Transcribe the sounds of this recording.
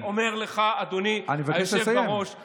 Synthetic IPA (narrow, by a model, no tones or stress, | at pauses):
omeʁleχaad̪onianimevakajɛʃleevsajaeʁo̞ʃ